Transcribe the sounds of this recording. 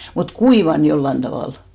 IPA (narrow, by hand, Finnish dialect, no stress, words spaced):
mut kuiʋɑn jolːɑn tɑʋɑˑl